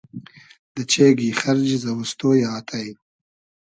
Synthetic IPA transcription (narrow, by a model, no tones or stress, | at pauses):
d̪ət͡ʃeːɡiχɐɾd͡ʒzɐwəst̪oːjaːt̪ʰaj